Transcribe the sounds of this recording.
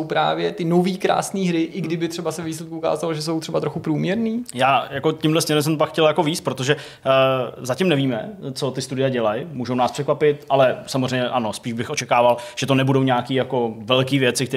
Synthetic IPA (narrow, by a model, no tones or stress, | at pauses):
owpɾa̰ːvjɛt̪ɪnoviːkɾa̰ːsniːɦɾɪʔɪɡdɪbɪt̪r̥ɛbasɛvɛviːs̬lɛt̪̚kuʔuka̰ːzaloʒɛs̬o̞wt̪r̥ɛbat̪ɾoxupɾuːmɲɛɾniːjaːjako̞cɪmdlɛsɲɛɾɛms̬ɛmp̬akxcɛljako̞viːst̪̚pɾot̪o̞ʒɛ | zacɪmnɛviːmɛt͡so̞t̪ɪst̪udɪjaɟɛlajmuːʒownaːspr̥ɛkvapɪt̪̚ʔalɛsamozrɛjɲɛʔano̞spiːʒbɪxʔo̞t͡ʃɛkaːvalʒ̥ɛt̪onɛbudo̞wɲaːkiːjako̞vɛlkiːvjɛt͡sɪk̚t̪ɛ